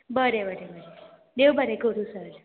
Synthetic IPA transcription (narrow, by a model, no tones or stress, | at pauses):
bəɾebəɾebəɾe | d̪ewbʱəɾekoɾũsəɾ